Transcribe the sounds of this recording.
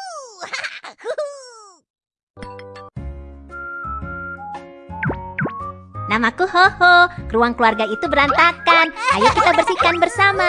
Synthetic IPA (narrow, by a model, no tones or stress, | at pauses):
namakuɦohokəɾuaŋkluarɡait̪ubəɾant̪akanʔajakit̪abərsikanbərsama